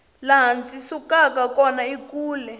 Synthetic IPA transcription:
laɦant͡sʼisukakakɔnaikuːlɛ

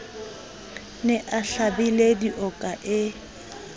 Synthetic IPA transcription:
nɪʔaɬabilediʔɔkʼaʔɪ

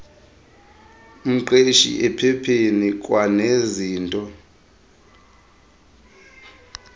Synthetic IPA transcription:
um̩ǃeʃḭʔɛpʰɛpʰenik̬ʼwaneziːntʼɔ

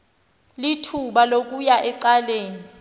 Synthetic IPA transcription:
litʰuɓalok̬ʼujaʔɛǀaleːni

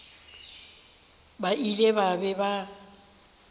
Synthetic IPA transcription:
bailebabɛba

